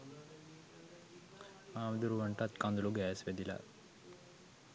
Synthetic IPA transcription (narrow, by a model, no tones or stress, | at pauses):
aːmd̪uɾuʋɐɳʈat̪kand̪uluɡɛːsʋed̪ilɐ̰